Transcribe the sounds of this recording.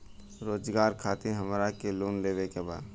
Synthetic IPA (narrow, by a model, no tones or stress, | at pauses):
ɾoːd͡ʒɡaːɾkʰaːt̪iɦəmɾakeloːnleːʋekeba̰ːd̪